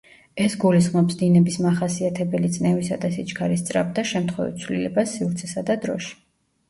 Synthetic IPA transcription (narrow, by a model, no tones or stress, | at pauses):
ɛsɡulisχmɔpsd̪inɛbismaχasiat̪ʰɛbɛlit̪sʼnɛvisad̪asit͡ʃʰʼkʰaɾist̪sʼɾa̰b̚d̪aʃɛmt̪ʰχwɛ̰vḭt̪sʰvlḭlɛ̰basːivɾt̪sʰɛsad̪ad̪ɾɔ̰ʃi̥